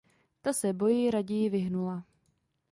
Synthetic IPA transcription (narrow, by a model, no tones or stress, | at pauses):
t̪asɛbo̞jɪɾaɟɛjɪvɪɦnula